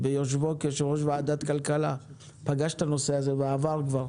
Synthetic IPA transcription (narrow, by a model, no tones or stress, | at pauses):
bejoʃ̬vokeʃeʁoʃ̬vaad̪at̪kalkala | paɡaʃt̪ano̞seazeveaːvaʁkvaʁ